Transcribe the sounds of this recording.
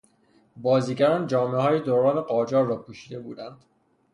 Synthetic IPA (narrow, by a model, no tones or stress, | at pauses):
bɒːziːɡæɾɒːnd͡ʒɒːmeɦɒːjed̪oːɾɒːne̞ɢɒːd͡ʒɒːɾːɒːpʰuːʃiːd̪e̞bṵːd̪ænd̪̥